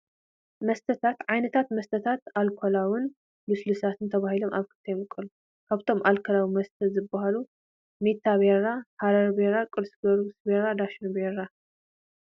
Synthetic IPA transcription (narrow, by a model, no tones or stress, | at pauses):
mɐst̪ʰɐt̪ʰat̪ʕajnɐt̪ʰat̪mɐst̪ʰɐt̪ʰat̪alkʰolawɨn | bɨslusat̪ʰɨnt̪ʰɐβahilomʔa̰βkʰɨ̥t̪ʰːɐjmɨkʼːɨlu | kʰaβt̪ʰo̞mʔalkʰɐlawimɐst̪ʰɐzɨbːaɦalu | met̪ʰːaβeɾahaɾɐɾbeɾakʼɨlsɡɐɾusbeɾad̪aʃɐnbeɾa